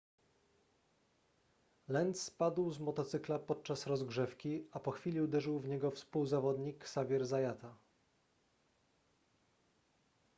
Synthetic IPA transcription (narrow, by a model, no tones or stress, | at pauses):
lɛnt̪spad̪wzmɔt̪ɔt̪sɘklapɔt̪̚t͡ʂasɾɔzɡʐɛfkʲiapɔxfʲilʲiud̪ɛʐɘwvɲɛɡɔfspuwzavɔd̪ɲiksavʲjɛɾzajat̪a